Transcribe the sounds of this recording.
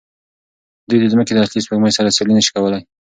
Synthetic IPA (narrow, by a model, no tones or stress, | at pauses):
d̪ujd̪əzməked̪əaslispəɡmajsaɾasalinəʃi̥kawəlaj